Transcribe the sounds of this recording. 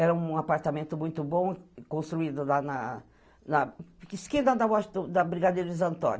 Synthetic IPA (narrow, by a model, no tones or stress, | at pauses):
ɛɾɐũapaɾt̪amẽnt̪ʊmũj̃t̪ʊbõkõst̪ɾuid̪ʊlanɐ | nɐɪskẽd̪ad̪ɐwɔʃd̪ʊd̪ɐbɾiɡad̪eɾɐɪzɐ̃nt̪õ̰n